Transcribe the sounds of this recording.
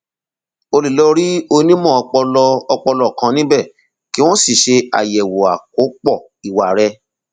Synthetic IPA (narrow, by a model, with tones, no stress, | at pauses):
o˧li˨lɔ˧ɾi˦o˧nĩ˦mɔ̃˦˨ɔ˧k͡pɔ˧lɔ˧ɔ˧k͡pɔ˧lɔ˦˨kã˧nĩ˦bɛ˦˨ | ki˨˦w̃ɔ̃˦si˦˨ʃe˧a̰˨jɛ˨wo˨a˨k̚o˨˦k͡pɔ˦˨ | i˨wa˨ɾɛ˧